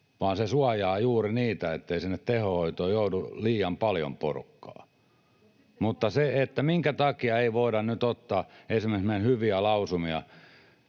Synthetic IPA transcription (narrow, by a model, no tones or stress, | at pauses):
ʋɑːnsesuɑjɑːjuːriniːt̪æḛt̪ːeisinːet̪t̪ehohoit̪oːjouduliːjɑmpɑljo̰mpo̰rṵkːɑ̰ː | mut̪ːɑseet̪ːæmiŋkæt̪ɑkiɑeiʋoiɾɑnnyt̪ot̪ːɑːesimːeksmenhyʋiælɑusumiɑ̰